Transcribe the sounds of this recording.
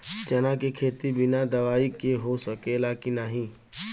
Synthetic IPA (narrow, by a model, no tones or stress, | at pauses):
t͡ʃɐnakekʰeːt̪ibɪnad̪ɐʋaːikeɦosəkelaːkinaɦĩː